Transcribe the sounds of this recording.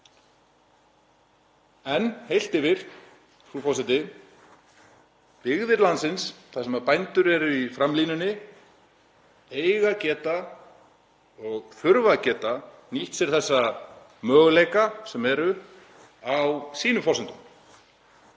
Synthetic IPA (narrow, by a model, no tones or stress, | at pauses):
ɛnhejl̥t̪ɪvɪɾ̥ | θufɔsɪnt̪ɪ | pɪɣðɪɾlant̪sɪnsθasɛmaðpajnt̪ʏɾɛɾʏifɾamliːnʏnːɪ | eːjɣacɛːt̪a | ɔɣθʏɾvacɛːt̪aniht̪sɛɾ̥θɛsːa | mœːɣlejkasɛmɛɾʏ | awsiːnʏfɔsɪnt̪ʏm